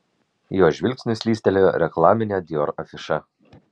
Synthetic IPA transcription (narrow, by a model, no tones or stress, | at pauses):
joːʒʲʋʲɪlʲkʲsʲnʲʊsʲlʲiːsʲt̪ʲɛlʲoɾʲɛklˠɑːmʲɪnʲed̪ʲɪoɾɐfʲɪʃɐ